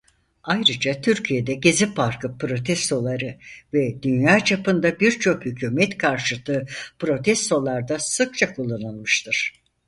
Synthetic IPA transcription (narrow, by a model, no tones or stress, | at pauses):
ajɾɯd͡ʒat̪ʰyɾcʰije̞d̪ɛɟezipʰaɾkʰɯpɾo̞t̪ʰɛst̪ʰo̞lˠaɾɯvɛd̪ynjaːt͡ʃʰapɯnd̪abiɾt͡ʃʰo̞khycʰuːmɛt̪kʰaɾʃɯt̪ʰɯːpɾo̞t̪ʰɛst̪ʰo̞lˠaɾd̪asɯk̚t͡ʃʰakʰulˠːanɯlˠmɯʃt̪ʰɯɾ̥